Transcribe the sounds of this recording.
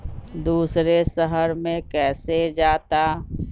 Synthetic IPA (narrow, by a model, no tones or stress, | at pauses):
d̪uːsɾesəɦəɾmẽkɛːsed͡ʒaːt̪a